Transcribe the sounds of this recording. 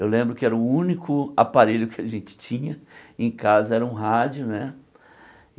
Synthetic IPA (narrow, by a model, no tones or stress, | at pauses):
ewlẽmbɾʊkɪɛɾɐʊũnikʊapaɾeʎʊkɪaʒẽnt͡ʃɪ̥t͡ʃĩɲɐẽj̃kazɐɛɾɐũɦad͡ʒʊnɛ